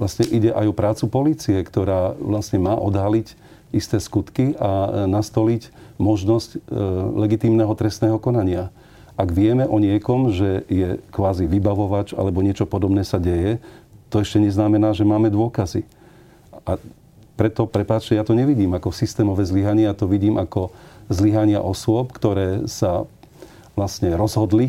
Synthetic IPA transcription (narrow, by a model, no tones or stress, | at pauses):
lasɲɛʔiɟɛʔajɔpɾaːt͡supɔliːt͡siɛkt̪ɔɾaːʋlasɲɛmaːʔɔd̪ɦalic | ist̪ɛːskut̪kiʔanast̪ɔlicmɔʒnɔsclɛɡit̪iːmnɛɦɔt̪ɾɛst̪nɛːɦɔkɔnaɲɪa | ʔaɡʋɪɛmɛʔɔɲɪɛkɔmʒɛjɛkʋaːziʋibaʋɔʋad͡ʒa̰lɛbɔɲɪɛt͡ʃɔpɔd̪ɔbnɛːsaɟɛjɛt̪ɔɛʃcɛɲɛznamɛnaːʒɛmaːmɛd̪ʊɔkazi | a | pɾɛt̪ɔpɾɛpaːt͡ʃcɛjat̪ɔɲɛʋiɟiːmakɔsist̪ɛːmɔʋɛːzliɦaɲɪɛat̪ɔʋiɟiːmʔakɔzliɦaɲɪa̰ʔɔsʊɔpkt̪ɔɾɛːsa | ʋlasɲɛɾɔzɦɔd̪li